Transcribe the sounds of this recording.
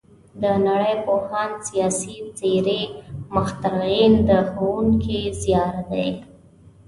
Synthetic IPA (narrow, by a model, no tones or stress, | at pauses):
d̪ənaɽəjpohansijɑsit͡seɾeməxt̪aɣind̪əxawuŋkizjɑɾad̪aj